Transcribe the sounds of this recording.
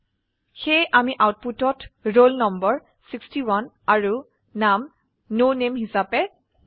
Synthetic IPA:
xejʔamiʔawt̚putɔtɹolnɔmbɔɹ | sikstiwan | aɹu | nam | nonemhisapɛ

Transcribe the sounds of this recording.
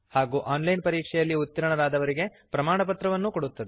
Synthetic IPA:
haːɡuːʔaːnlɐjnpɐɾiːkʂɛjɐlːiut̪ːɐɾɐɳɐɾaːd̪ɐʋɐɾiɡe̞ | pɾɐmaːɳɐpɐt̪ɾɐʋɐnːukoɽut̪ːɐd̪e

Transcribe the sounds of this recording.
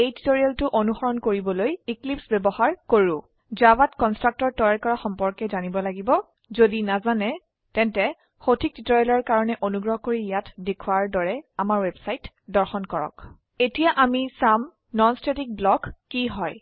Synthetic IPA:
ejti̥toɹialtʊʔonuxɔɹɔnkoɹibɔlojiklipsbɛbɔhaɹkoɹʊ̃ | zabatkɔnstɹak̚tɔɹ̚tɔjaɹkɔɹaxɔmpɔɹkɛzanibɔlaɡibɔ | zodinazanɛ | tɛntɛ | xotʰik̚titɔɹijalɔɹkaɹɔnɛʔonuɡɹɔɦkoɹijatdekʰʊwaɹdɔɹɛamaɹwebsajt | dɔɹxɔnkɔɹɔ̰k | etijaʔamisam | nɔnstetik̚blɔkːiɦɔj

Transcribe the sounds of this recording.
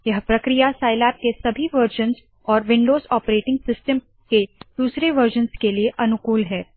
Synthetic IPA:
jɐɦpɾɐkɾijasaːɪlaːp̚kesɐbʱiʋɐɾʒə̃nz | ɔːɾʋɪ̃ɳɖoːzɔːpɾeːʈɪ̃ŋɡsɪsʈəm | ked̪̥uːsɾeʋɐɾʒənskelieʔɐnʊkuːlɦɛː

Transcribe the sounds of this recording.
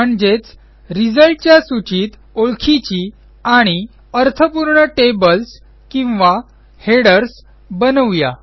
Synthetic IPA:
məɳd͡ʑet͡s | ɾid͡zəɭʈ̚t͡ɕjasut͡ɕiːt̪ | oɭkʰit͡ɕi | aɽ̃i | əɾt̪ʰəpuɾɳəʈebəls | kĩw̃ʋa | heɽəɾs | bənəʋja̰

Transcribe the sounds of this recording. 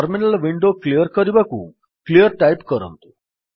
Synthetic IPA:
əɾminəlʋiɳɖoklijəɾkəɾiʋakṵ | klijəɾʈajpkəɾə̰̃nt̪u

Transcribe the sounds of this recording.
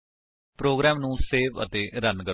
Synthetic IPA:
pɾoːɡɾɛːmnũːseːʋə̰t̪eːɾənkə

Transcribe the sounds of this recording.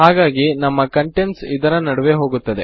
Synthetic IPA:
ɦaːɡaːɡinɐmːɐkɐɳʈeɳʈsid̪ɐɾɐnɐɽɐʋeɦo̞ːɡut̪ːɐd̪e

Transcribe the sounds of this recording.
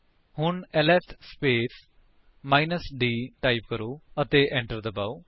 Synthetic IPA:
hʊɳɛlɛːpʰspeːs | maːinəsɖiːʈaːip̚kəɾoːət̪eːʔɛ̃ːɳʈəɾd̪əbaːoː

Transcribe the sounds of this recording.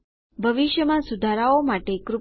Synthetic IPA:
bʱəʋiʃjəmãsud̪ʱaɾaomaʈekɾu

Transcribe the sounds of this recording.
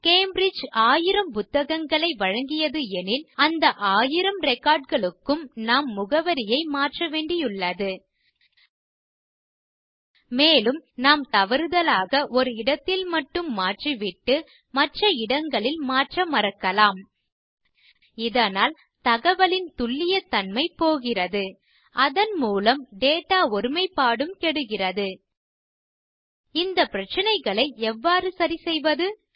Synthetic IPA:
keːmbɾɪd͡ʒaːjɪɾɐmpʊt̪ːɐɣɐŋɡɐɭɐɪʋɐɻɐŋɡɪjɐðɯɛnɪlɐnd̪ɐʔaːjɪɾɐmɾɛkːaːɖ̚ɣɐɭɯkːɯmnaːmːʊɣɐʋɐɾɪjɐɪmaːʈrɐʋeːɳɖɪjɯɭːɐðɯ | meːlɯmnaːmt̪ɐʋɐɾɯðɐlaːɣɐʔɔɾɯɪɽɐt̪ːɪlmɐʈːɯmːaːʈriʋɪʈːɯ | mɐʈrɐɪɽɐŋɡɐɭɪlmaːʈrɐmɐɾɐkːɐlaːm | ɪðɐnaːl | t̪ɐɣɐʋɐɭɪnt̪ʊɭːɪjɐt̪ɐnmɐɪpoːɣɪrɐðɯ | ʔɐðɐnmuːlɐmɖeːʈːaːɔɾɯmɐɪpːaːɽɯmkɛɽɯɣɪrɐðɯ | ɪnd̪ɐpɪɾɐt͡ʃːɐnɐɪɣɐɭɐɪɛʋːaːrɯsɐɾisɛjʋɐðɯ

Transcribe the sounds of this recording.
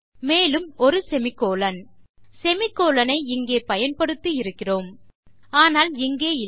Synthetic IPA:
meːlɯmɔɾɯsɛmɪkːoːlɐnsɛmɪkːoːlɐnɐɪɪŋɡeːpɐjɐnpɐɽɯt̪ːɯɪɾɯkːɪroːmaːnaːlɪŋɡeːɪ

